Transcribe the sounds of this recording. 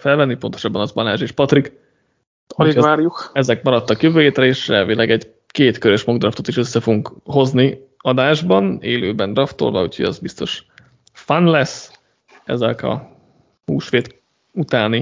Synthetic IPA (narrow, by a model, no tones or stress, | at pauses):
fɛlvɛnːipo̞nt̪o̞ʃɒbːɒnɒzbɒlaːʒeːʃpɒt̪rik | oliaːɾjukɛzɛkmɒɾɒt̪ːɒkjøvøːjeːt̪rɛeːʃrɛːlvilɛɡɛɟ | keːt̪køɾøʃmoɡd̪rɒft̪o̞t̪iʃøsːɛfoɡuŋkho̞zni | ɒd̪aːʒbɒneːløːbɛnd̪rɒft̪o̞̰lvɒ̰o̰choɟɒ̰zbist̪o̞̰ʃ | fanlɛsː | ɛ̰zɛkɒ̰ | huːʃʋeːt̪ | ut̪aːni